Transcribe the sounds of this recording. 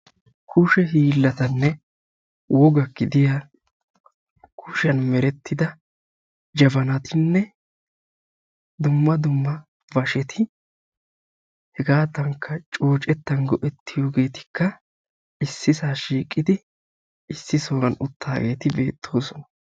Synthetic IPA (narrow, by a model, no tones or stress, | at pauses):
kʰʊʃɛɦiːlːɐt̪ɐnːɛ | wɔɡɐkːɪd̪ɪjaː | kʰʊʃɐnmɛɾɛt̪ːɪd̪ɐ | d͡ʒɐbɐnɐt̪ɪnːɛ | d̪ʊmːɐd̪ʊmːɐ | vɐʃɛt̪ʰɪ | hɛɡaːt̪ɐŋkʰːɐt͡ʃʼo̞ːt͡ʃʼɛt̪ːɐnɡɔʔɛt̪ːɪjo̞ːɡe̞ːt̪ɪ̥kːɐ | ɪsːɪsaːʃiːkʼːɪd̪ɪ | ɪsːɪsoːɡɐnʊt̪ʰːaːɡe̞̰ːt̪ɪbe̞ːt̪ʰːo̞ːsɔnɐ̥